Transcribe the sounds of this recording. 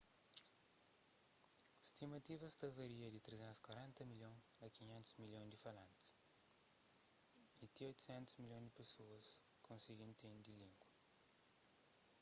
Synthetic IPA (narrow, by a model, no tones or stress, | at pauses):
st̪imɐt̪ivɐst̪ɐzɐɾiɐðɨt̪ɾezɛ̃nkwɐɾẽnt̪ɐmiʎõɐkiɲẽnt̪uzmiʎõj̃d̪ɨfɐlɐ̃nt̪ | it̪iojt̪u̥sɛ̃nt̪uzmilʎõj̃d̪ɨpɨsoɐskõsiɣĩd̪ut̪ẽd̪iĩŋɡu